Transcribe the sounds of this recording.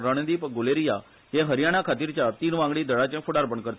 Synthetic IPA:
ɾəɳ̃d̪iːpɡʊleɾija | jeɦəɾjaɽ̃akʰaːt̪iɾt͡ʃaɾt̪iːnʋãŋɡɽid̪əɽat͡ʃẽfʰʊɽaɾpəɳkəɾt̪

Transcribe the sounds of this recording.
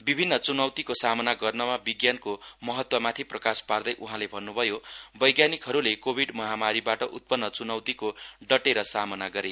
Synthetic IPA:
bibʱinːʌt͡sunʌwt̪ikosamʌnaɡʌrnʌmabiɡjankomʌɦʌt̪wʌmat̪ʰiprʌkaspard̪ʌjʔuɦãlebʱʌnːubʱʌjobʌjɡjanikɦʌɾulekobʱiɖmʌɦamaɾibaʈʌʔut̪̚pʌnːʌt͡sunʌwt̪ikoɖʌʈeɾʌsamʌnaɡʌɾe

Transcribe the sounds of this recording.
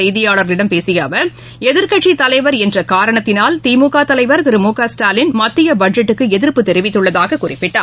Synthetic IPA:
ɐjðɪjaːɭɐɾlɪɽɐmpeːsɪjaːʋɐɾ | ɛðɪɾkɐʈt͡ʃːit̪ɐlɐɪʋɐɾɛndrɐkaːɾɐɳɐt̪ːɪnaːlt̪iːmuːkaːt̪ɐlɐɪʋɐɾt̪ɪɾɯmuːkaːsʈaːlɪnmɐt̪ːɪjɐbɐɖd͡ʒɛʈːɯkːɯɛðɪɾpːɯt̪ɛɾɪʋɪt̪ːɯɭːɐðaːɣɐkʊrɪpːɪʈːa̰ː

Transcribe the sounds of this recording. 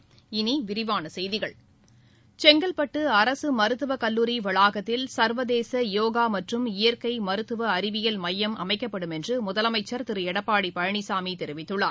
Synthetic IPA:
ɪniʋɪɾɪʋaːnɐsɛjðɪɣɐɭ | t͡ʃɛŋɡɐɭpɐʈːɯɐɾɐsɯmɐɾɯt̪ːɯʋɐkɐlːuːɾiʋɐɭaːɣɐt̪ːɪlsɐɾʋɐðeːsɐjoːɣaːmɐʈrɯmɪjɐɾkɐɪmɐɾɯt̪ːɯʋɐːɾɪʋɪjɐlmɐjːɐmʔɐ̰mɐɪkːɐpːɐɽɯmɛndrɯmʊðɐlɐmɐɪt͡ʃːɐɾt̪ɪɾɯɛɽɐpːaːɽipɐɻɐɳisaːmit̪ɛɾɪʋɪt̪ːɯɭːa̰ː

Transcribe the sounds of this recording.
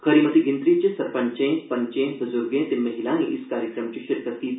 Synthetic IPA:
xɐɾimɐt̪iɡɪ̃nt̪ɾit͡ʃesɐɾpɐɲt͡ʃẽpɐɲt͡ʃẽbɐzʊɾɡẽt̪ɪmɐɦilaːẽʔɪskaːɾjəkɾəmt͡ʃiʃɪɾkət̪ːiː

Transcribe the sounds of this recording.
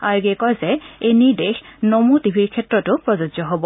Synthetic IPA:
aɹɡɛkɔjzɛeniɹdexnomutibʱiɹkʰɛtɹɔtʊpɹɔzɔd͡ʒzɔɦɔbɔ

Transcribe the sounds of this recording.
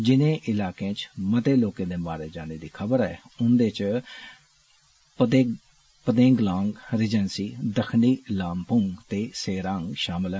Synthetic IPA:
d͡ʒɪnẽːʔɪlaːkẽːt͡ʃmət̪eːloːkẽːd̪eːmaːɾeːd͡ʒaːneːd̪iːkʰəbəɾɛːʊnd̪eːt͡ʃ | pəd̪ẽːɡlãːŋɡɾɪd͡ʒɛnsiːd̪əkʰniːlaːmpʊŋɡt̪eːseːɾãːŋɡʃaːmɪlɛ

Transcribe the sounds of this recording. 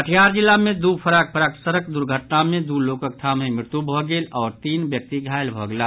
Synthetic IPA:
əʈʰjaːɾd͡ʒɪlːamẽd̪uːpʰəɾaːk̚pʰəɾaːksəɾək̚d̪ʊɾɡʱəʈnamẽd̪uloːkək̚t̪ʰaːmɦẽmɪɾt̪jubʱɔɡeːlɔːɾt̪iːnbjək̚t̪iɡʱaːɪlbʱɔɡlaː

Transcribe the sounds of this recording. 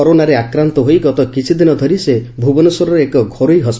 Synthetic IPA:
ɔɾonaɾeakɾant̪ɔɦojɡɔt̪ɔkit͡ʃʰid̪inɔd̪ʱɔɾisebʱubɔnɔsɔɾɔɾeekɔɡʱoɾojɦɔs

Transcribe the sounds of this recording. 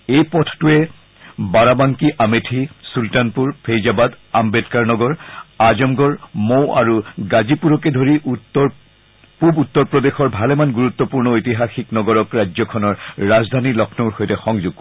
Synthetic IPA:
ejpɔtʰtuɛ | baɹabaŋkiʔametʰisultanpuɹpʰejzabad | ambetkaɹnɔɡɔɹazɔmɡɔɹmowʔa̰ɹuɡazipuɹɔk̬ɛdʱoɹi | pubut̪ːɔɹpɹɔdexɔɹbʱalɛmanɡuɹut̪ːɔpuɹnɔojtiɦaxiknɔɡɔɹɔkɹad͡ʒzɔkʰɔnɔɹːazdʱanilɔkʰnɔɹxojtɛxɔŋzuɡ̚kɔ

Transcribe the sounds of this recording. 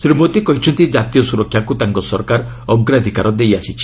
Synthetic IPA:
sɾimot̪ikɔɦit͡ʃʰɔnt̪id͡ʒat̪ijɔsuɾɔkʰjakut̪aŋkɔsɔɾkaɾ | ɔɡɾad̪ʱikaɾɔd̪ejasit͡ʃʰi̥

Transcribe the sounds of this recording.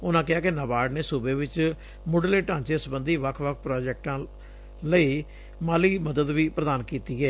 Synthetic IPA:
ʊnãːkɪɦaːkɪnəbaːɖneːsuːbeːʋɪt͡ʃ | mʊɖleːʈãːɲt͡ʃeːsəbənd̪iːʋəkʰʋəkʰpɾaːd͡ʒɛːk̚ʈãː | ləiː | maːliːməd̪əd̪ʋiːpɾəd̪aːnkiːt̪iːɛː

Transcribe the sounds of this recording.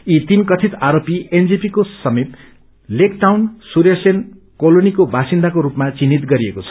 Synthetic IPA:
it̪inkʌt̪ʰit̪aɾopiend͡zipikosʌmit̪ | lekʈawnsuɾjesen | kolonikobʱasind̪akoɾupmat͡sinːit̪ɡʌɾiekot͡sʰʌ̥

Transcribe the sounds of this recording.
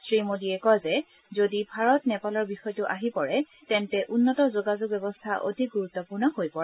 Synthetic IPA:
sɹimodiɛkɔzɛ | zodibʱaɹɔtnɛpalɔɹbixɔjtʊʔaɦipɔɹɛ | tɛntɛʔunːɔtɔzoɡazʊɡ̚bɛbɔstʰaʔo̰dʱik̚ɡuɹut̪ːɔpʊɹnɔhojpɔɹɛ

